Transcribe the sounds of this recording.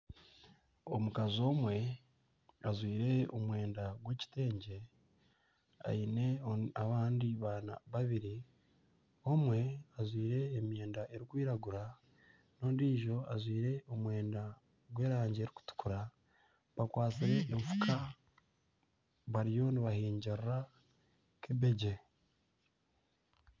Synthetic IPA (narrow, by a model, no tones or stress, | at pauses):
o̞mukazo̞ːmwe̞ | azwiːɾe̞omwe̞ːndaɡwe̞ːci̥te̞ːɲɟe̞ | a̰ine̞aβaːndiβana̰βaβiɾi | o̞mwe̞azwiːɾe̞ːmje̞ːndaʔe̞ɾikwiːɾaɡuɾa | no̞ːndiːʒo̞azwiːɾe̞o̞mwe̞ːnda | ɡwe̞ːɾaːɲɟe̞ːɾiku̥tu̥kuɾa | βakwaːt͡siɾe̞ʔːɱfu̥kʰa | βaɾijo̞niβahiːɲɟaɾra | kiβe̞ɟe